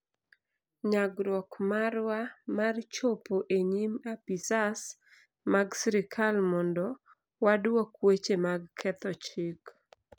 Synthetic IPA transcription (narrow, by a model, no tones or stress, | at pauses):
ɲaɡɾɔkmaɾwamart͡ʃopoʔeɲimapisas | maɡsiɾɪkʰalmɔndɔ | wadwɔkwet͡ʃemaɡkʰɛt̪ɔt͡ʃɪk